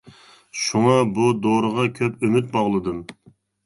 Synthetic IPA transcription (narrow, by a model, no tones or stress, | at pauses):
ʃuŋɑbud̪oɾəʁɑkʲʰøpymyt̪̚bɑʁlˠɨd̪ɨm